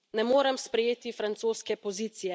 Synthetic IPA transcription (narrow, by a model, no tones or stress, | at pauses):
nɛmoːɾɐmspɾɛjeːt̪ifɾant̪soːskɛpɔziːt̪sijɛ